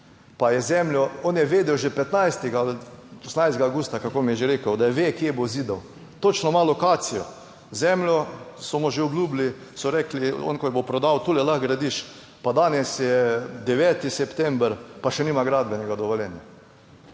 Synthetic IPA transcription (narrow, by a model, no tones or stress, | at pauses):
pajɛzɛmljɔonjɛʋeːd̪ɛwʒɛpɛt̪najst̪ɛɡalɔsnajst̪ɡaːwɡuːst̪akakoːmijɛʒeɾeːkəwd̪ajɛʋekjeboziːd̪əw | t̪ot͡ʃnɔmalɔkaːt̪sijɔ | zɛmljɔsɔmɔʒeɔbluːbli | sɔɾɛːkliɔ̰nkɔjɛbopɾɔd̪awt̪ulɛlaxɡɾad̪iʃ | pad̪anɛsjɛd̪ɛʋɛːt̪isɛpt̪ɛmbɾpaʃɛniːmaɡɾad̪bɛnɛɡad̪ɔʋɔljɛnja